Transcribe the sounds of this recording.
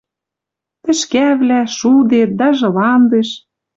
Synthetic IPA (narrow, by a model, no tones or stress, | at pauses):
t̪ɘ̆ʃkæβlæʃud̪et̪̚d̪ɑʒɤ̆lɑnd̪eʃ